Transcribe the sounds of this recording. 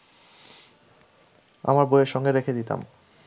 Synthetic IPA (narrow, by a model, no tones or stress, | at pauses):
a̰maɾbojeɾʃɔŋɡeɾekʰed̪it̪a̰m